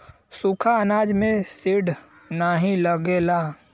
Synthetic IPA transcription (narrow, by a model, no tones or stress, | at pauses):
sukʰaənaːd͡ʒmẽsɪɖ | naɦĩləɡeːla